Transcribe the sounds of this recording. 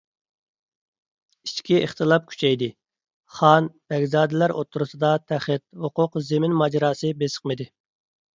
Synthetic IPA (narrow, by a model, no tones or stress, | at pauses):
it͡ʃkʲiʔəχt̪ʰɨlˠɑp̚kʲʰy̥t͡ʃʰɛjd̪ɪ | χɑnb̥ɛɡʲzɑːd̪ɛlæɾo̰t̪ʰːuɾusɨd̪ɑt̪ʰæχɪt̪̚hʊqʊqzemɪnmɑd͡ʒɑɾɑːsɨbesə̥qmɨd̪ɪ